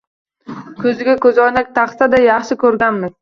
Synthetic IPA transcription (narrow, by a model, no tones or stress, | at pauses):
kʲʰɵzɪɡʲakʲʰɵzɒjnak̚ʲt̪ʰɑχt̪ʰad̪ajɑχʃɪkʲʰɵɾɡʲanmɪ